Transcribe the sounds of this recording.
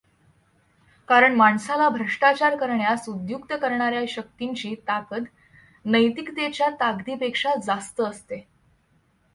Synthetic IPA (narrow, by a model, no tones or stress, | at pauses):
kaɾəɳmaɳsalabʱɾəʂʈat͡ɕaɾkəɾɳjasud̪jukt̪əkəɾɳaɾjaɕək̚t̪iɲt͡ɕiːt̪akət̪ | nəjt̪ikt̪et͡ɕjat̪aɡd̪iːpekʂad͡zast̪əːst̪e